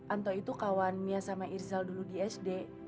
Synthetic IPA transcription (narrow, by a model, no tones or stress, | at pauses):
ʔant̪ɔit̪ukawanmiasamaʔirzalduludiɛsde